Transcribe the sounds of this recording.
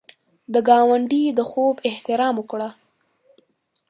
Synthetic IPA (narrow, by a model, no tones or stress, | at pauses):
d̪əɡɑwaɳɖid̪əxobɪht̪ɪɾɑməkɽa